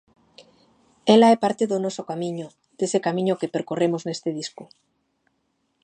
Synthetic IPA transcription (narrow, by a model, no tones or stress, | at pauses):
elaepaɾt̪eðonosokamĩɲo | d̪̥esekamĩɲokepeɾkoremoznest̪eð̞isko